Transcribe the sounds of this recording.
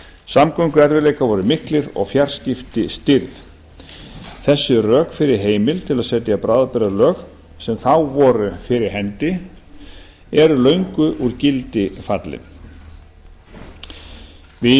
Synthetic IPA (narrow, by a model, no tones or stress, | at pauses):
samkœɥŋkʏɛɾvɪlejkavɔɾʏmɪhklɪɾɔ̰ɣfjaɾ̥scɪft̪ɪst̪ɪɾð | θɛsːʏrœːkfɪɾɪɾ̥ɦeːjmɪlt̪ʰɪlaðsɛt̪japɾaːðapɛɾalœːɣ | sɛmθawvɔːɾʏfɪɾɪɾ̥ɦɛnt̪ɪ | ɛɾʏlœɥŋkʏʔuɾcɪlt̪ɪfat̪lɪ̰n | vɪ